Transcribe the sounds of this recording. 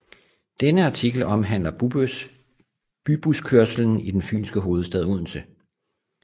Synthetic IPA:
d̥enəɑ̈t͡sʰiɡ̥l̩ɒ̽mɦæn̰lɐb̥ub | b̥yb̥uskʰøɐsl̩n̩id̥enfy̰ːnsɡ̥əɦo̝ːð̞̩ˠsd̥ɛðˠuð̰ˠn̩sə

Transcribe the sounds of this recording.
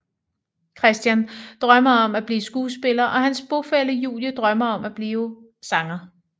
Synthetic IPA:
kʰʁɛsd̥jænd̥ʁɶmɐɒ̽mæb̥liːsɡ̥uːsb̥e̝lɐʔɒ̽ɦænsb̥o̝feləjṵːljəd̥ʁɶmɐɒ̽mæb̥liːʊə | sɑ̈ŋɐ

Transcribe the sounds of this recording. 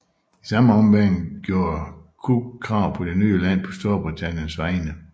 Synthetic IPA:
isɑ̈məɒ̽mʋænɡ̥jo̝ːɐkʰukʰʁɑ̈ʊ̰pʰɒ̽d̥e̝nyːəlæn̰pʰɒ̽sd̥o̝ːɐb̥ʁit͡sʰæn̰jənsʋɑ̈ɪnə

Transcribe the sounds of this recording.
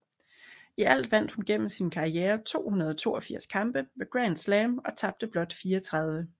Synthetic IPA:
iæl̰d̥ʋæn̰d̥hunɡ̥en̰m̩sinkʰɑ̈ieːɐt͡sʰo̝̰ːhunɐð̞ˠɒ̽t͡sʰo̝̰ːɒ̽fiɐ̰skʰɑ̈mb̥əʋe̝ɡ̥ʁænd̥slɛmɒ̽t͡sʰɑ̈b̥̚d̥əb̥lɒ̽d̥fiːɒt͡sʰʁɑð̞ˠʋə

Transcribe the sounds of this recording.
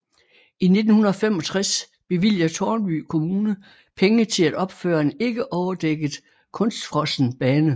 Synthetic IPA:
ine̝d̥n̩hunɐɒ̽femɒ̽t͡sʰʁas | b̥e̝ʋil̰jɐt͡sʰɒːnb̥y̰ːkʰo̝muːnə | pʰeŋət͡sʰe̝læd̥ɒ̽b̥fø̰ːɐe̝ne̝ɡ̥əʔɒʊɐd̥eɡ̥ð̩ˠ | kʰɔ̽nsd̥fʁɒ̽sn̩b̥ɛːnə

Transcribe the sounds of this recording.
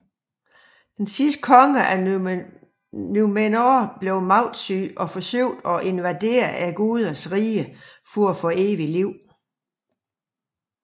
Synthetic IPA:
d̥ensisd̥̚kʰɒ̽ŋəʔæ | numenob̥le̝ʊmɑ̈ʊd̥syʔɒ̽fɒ̽søʊ̰d̥ɒ̽ʔe̝nʋæd̥e̝̰ːɐʔæɡ̥uð̞ˠɐsʁiːəfɔɒfɔ̽e̝ːʋiliʊ̰

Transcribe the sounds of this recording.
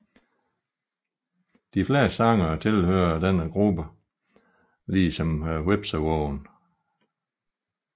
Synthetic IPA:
d̥ifle̝ːɐsɑ̈ŋɐt͡sʰe̝lhøːɐd̥enəɡ̥ʁub̥ə | liːsɒ̽mweb̥səwɔʊn

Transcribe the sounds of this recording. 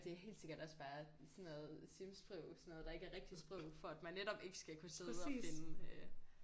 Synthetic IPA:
d̥e̝æɐɦe̝̰ːld̥se̝ɡ̥ɐd̥ɒ̽sb̥ɑ̈ːsɔ̽nːɔð̩ˠsimsb̥ʁœʊ̰sɔnoðˠd̥ɑ̈e̝ɡ̥əæɐʁɛɡ̥̚d̥isb̥ʁɔʊ̰fɒ̽æd̥mænːeɾ̥ɒ̽b̥e̝ɡ̥əsɡ̥ækʰuse̝ð̩ˠɒie̝nəø

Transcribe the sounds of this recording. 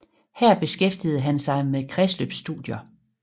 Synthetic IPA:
hæɐ̰b̥e̝sɡ̥efd̥ið̞̩ˠɦænsɑ̈ɪmeðkʰʁɛslø̰b̥sːd̥uðˠjɐ

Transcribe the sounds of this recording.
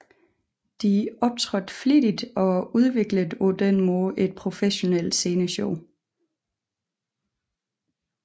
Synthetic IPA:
d̥iʔɒ̽b̥̚t͡sʰʁɔd̥flid̥id̥ɒ̽uð̞ˠʋe̝ɡ̥ləðˠod̥enmoʔe̝d̥̚pʰʁo̝feɕo̝nel̰d̥se̝ːnəɕɔʊ

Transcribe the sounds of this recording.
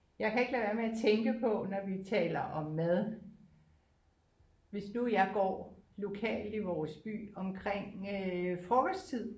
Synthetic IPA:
jɑ̈ɪkʰæeɡ̥læːʋæɐmeæt͡sʰeŋɡ̥əpʰɒ̽nɒʋit͡sʰɛ̰ːlɐʔɒ̽mːæðˠ | ʋe̝snujɑ̈ɪɡ̥ɒ̰ːlo̝kʰɛ̰ːld̥iʋɒːsb̥y̰ːɒ̽mkʰʁeŋ̰øfʁɒːɡ̥ɒ̥st͡sʰið̞̰ˠ

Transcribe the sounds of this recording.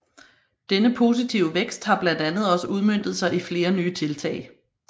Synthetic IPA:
d̥enəpʰo̝ːs̬it͡sʰiʊəʋeɡ̥sd̥hɑ̈b̥læn̰d̥ænð̞̩ˠɒ̽səʔuðˠmøn̰d̥ð̞̩ˠsɑ̈ɪʔifle̝ːɐnyːt͡sʰe̝lt͡sʰɛ̰ːɪ

